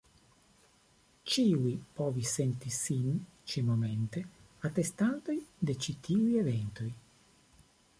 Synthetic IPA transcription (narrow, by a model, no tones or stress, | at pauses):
t͡ʃiːwipɔːvisent̪isint͡ʃimoment̪e | at̪ːest̪and̪ojd̪et͡ʃit̪ʰiːwievɛnt̪uj